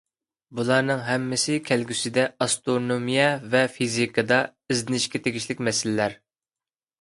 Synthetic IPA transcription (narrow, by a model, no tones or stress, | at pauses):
bulˠɑɾnɨŋɦɛmːɪsɪkʲʰælɡʲysɪd̪ɛɑst̪oɾnomijɛvɛfizikʰɨd̪ɑɪzd̪ɪnɪʃkʲɛt̪ʰeɡʲiʃlɪkʲmɛsɪlɪlæɾ